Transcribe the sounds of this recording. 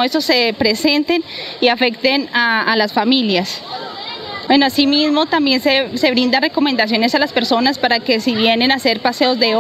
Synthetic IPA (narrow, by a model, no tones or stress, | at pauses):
eso̞se̞pɾe̞se̞nt̪e̞niafe̞kt̪enaːlasfamiljas | bwe̞noasimizmo̞t̪ambje̞nsese̞βɾind̪are̞ko̞mend̪as̬jo̞ne̞salaspe̞ɾso̞naspaɾake̞siβje̞ne̞nase̞ɾpase̞o̞zd̪e̞